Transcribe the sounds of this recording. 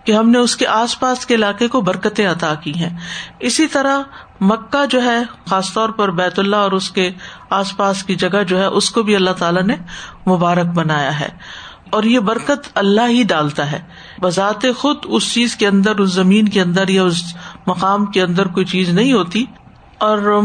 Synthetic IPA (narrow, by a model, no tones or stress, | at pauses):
keɦɐmneʊskeʔaːspaːskeɪlaːqekobɐɾkət̪ẽɐt̪akiɦɛ̃ːɪsit̪ɐɾa | mɐkːad͡ʒoːɦɛxaːst̪ɔːɾpɐɾbɛːt̪ʊlːaɔːɾʊskeaːspaːskid͡ʒɐɡad͡ʒoːɦɛʔʊskobʱiɐlːaɦt̪aːlanemʊbaːɾək̚bɐnaːja̰ɦɛ̰ː | ɔːɾjebɐɾkət̪ɐlːaɦɦiɖaːlt̪aɦɛ̰ː | bɐzaːt̪exʊd̪ʊst͡ʃiːzkeɐ̃nd̪əɾʊs̬zɐmĩːnkeɐ̃nd̪əɾjaʊsmɐqaːmkeɐ̃nd̪əɾkoːit͡ʃiːznɐɦĩɦoːt̪i | ɔːɾ